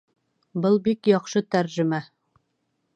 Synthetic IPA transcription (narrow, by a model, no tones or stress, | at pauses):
bɤlˠbikjɑqʃɤt̪æɾʒɘ̆mæ